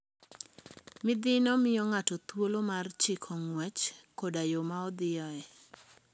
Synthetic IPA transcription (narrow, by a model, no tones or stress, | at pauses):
mɪd̪ɪnɔmɪjɔŋatɔt̪wolomart͡ʃɪkʰɔŋwɛt͡ʃkodajomaɔd̪ɪjɔɛ